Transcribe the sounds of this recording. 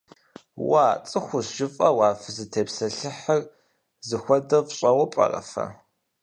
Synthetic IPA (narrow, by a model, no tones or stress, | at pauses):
waːt͡sʼɨxʷʊsʒɪfʼɐwɑːfɨzɨtʰeːpsɐɬɨħɐr | zɨxʷɔdɐvɕʼɐwɐpʼɐ̰rɐ̰fɐ̰